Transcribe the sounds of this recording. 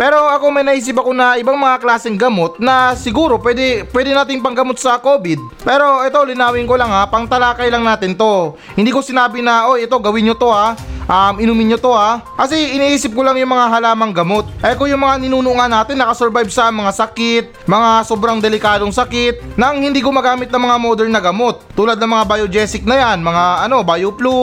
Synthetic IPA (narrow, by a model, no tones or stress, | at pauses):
pɛːɾo̞ʔɐko̞mɐjnɐʔiːs̬ɪp̬ɐko̞nɐʔɪbaŋmɐŋaklaːsɛŋɡɐmo̞t̪̚nɐsɪɡuːɾo̞pwɛːd̪ɛpwɛːd̪ɛnaːt̪ɪŋpɐŋɡɐmo̞t̪̚sɐko̞ːbɪd̪̚pɛːɾo̞ʔɛt̪o̞lɪnaːwɪŋko̞laŋapɐŋt̪ɐlaːkɐjlɐŋnaːt̪ɪnt̪o̞ | hɪ̃nd̪iːko̞sɪnaːbɪnɐʔojʔɛt̪o̞ɡɐwɪnɲot̪o̞aʔɐmɪnumɪnɲːot̪o̞akɐsɛɪniʔiːsɪp̚kolaŋjʊŋmɐŋaɦɐlaːmɐŋɡɐmo̞t̪̚ʔɛkojʊŋmɐŋanɪnuːnʊʔŋanːaːt̪ɪnːɐkɐsoɾbajb̚sɐmɐŋasɐkɪt̪̚mɐŋasoːbɾɐŋd̪ɛlɪkaːd̪oŋsɐkɪt̪̚nɐɐŋhɪnd̪iːkʊmɐɡaːmɪt̪̚nɐŋmɐŋamod̪ɛlnɐɡɐmo̞t̪̚ːuːlɐd̪̚nɐŋmɐŋabɐjod͡ʒɛːsɪk̚nɐjanmɐŋaʔɐno̞bajoplu